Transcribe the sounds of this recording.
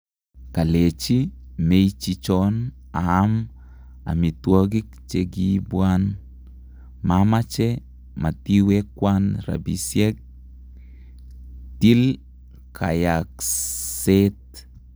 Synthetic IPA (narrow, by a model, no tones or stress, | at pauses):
kalet͡ʃimejt͡ʃit͡ʃɔn | aːm | a̰mitwoɡik̚t͡ʃeɡibwan | mamat͡ʃɛ | matiwɛkːwanɾa̰bḭsjɛk̚ | til | kʰajakset̚